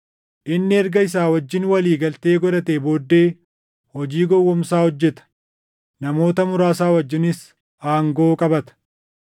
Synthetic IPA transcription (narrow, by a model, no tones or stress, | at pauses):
ʔɪnːɪɛɾɡɐɪs̬aːwɐd͡ʒːɪnwɐliːɡɐlt̪e̞ːɡɔɾɐt̪eːbo̞ːd̪ːe̞ː | hɔd͡ʒiːɡɔwːɔmsaːhɔd͡ʒːɛt̪ɐ̥ | nɐmo̞ːt̪ɐmʊɾaːsaːwɐd͡ʒːɪnɪs | aːŋɡo̞ːkʼɐbɐt̪ɐ̥